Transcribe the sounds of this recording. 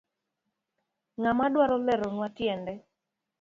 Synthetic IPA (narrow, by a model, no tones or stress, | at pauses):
ŋamadwaɾɔlɛɾɔnwatjɛndɛ